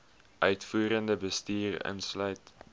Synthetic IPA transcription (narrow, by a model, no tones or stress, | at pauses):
ʔœɥtfuːɾəndəbəstiːrə̰nslœɥt